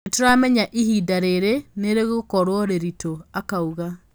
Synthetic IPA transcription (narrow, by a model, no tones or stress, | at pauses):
toɾamɛɲaʔiɦiːdaɾeɾeneɾeɣokɔɾwɔɾeɾitoakauɣa